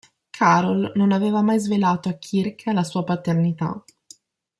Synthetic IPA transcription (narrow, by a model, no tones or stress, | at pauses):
kʰaːɾolnonaveːvamajzvelaːt̪oakʰːirkʰalasuːapat̪ernit̪a̰